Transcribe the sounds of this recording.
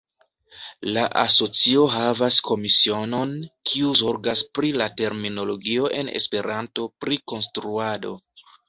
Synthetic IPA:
laʔaso̞t͡sio̞ɦavasko̞misio̞no̞nkʰiuzo̞ɾɡaspɾilate̞ɾmino̞lo̞ɡio̞ʔe̞̰ne̞̰spe̞ɾanto̞pɾiko̞nstɾuado̞̰

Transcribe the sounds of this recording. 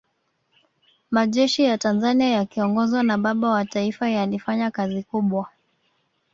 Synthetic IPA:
maʄɛʃijatanzaniajakiɔŋɡɔzwanaɓaɓawataifajalifaɲakazikuɓwa

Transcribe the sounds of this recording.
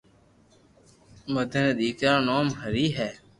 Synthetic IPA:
məd̪ʱəneːɗ̪iːkɾãːnoːmɦəɾiːɦɛː

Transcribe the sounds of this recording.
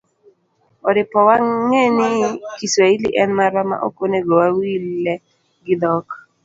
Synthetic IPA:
ɔɾɪpɔwaŋenɪkisailḭʔɛnmaɾama̰ʔo̰koneɡɔwawilːɛ | ɡɪd̪ɔk

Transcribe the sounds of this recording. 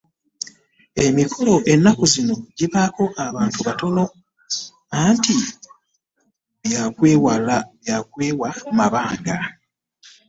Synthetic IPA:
e̞mikʰo̞lo̞ʔe̞nːakozino̞ɟiβako̞ʔaβaːntuβato̞no̞ | anti | βjakwwβjak̚weːwamaβaːŋɡa

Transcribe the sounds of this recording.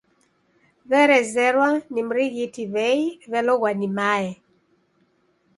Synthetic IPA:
βɛɾɛzɛɾwanim̩ɾiɣitiβɛiβɛlɔɣwanimaɛ

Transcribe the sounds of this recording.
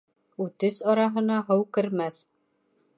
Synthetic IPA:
ut̪ɘsɑɾɑɦɤ̆nɑɦɤwkɘ̆ɾmæð

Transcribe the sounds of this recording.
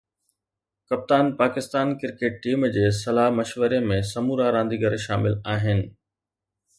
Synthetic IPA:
kɐp̚t̪aːnpaːkɪst̪aːnkɪɾkeːʈ̚ʈiːmd͡ʑeːsɐlaːɦmɐʃʋəɾemẽsɐmuːɾaɾãːnd̪iɡəɾʃaːmɪlaːɦɪnɪ̆

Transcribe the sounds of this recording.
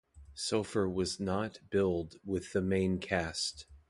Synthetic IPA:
soʊfə˞wʌznət̚b̥ɪlˠdwɪðɨmẽɪ̃nkʰæst̚

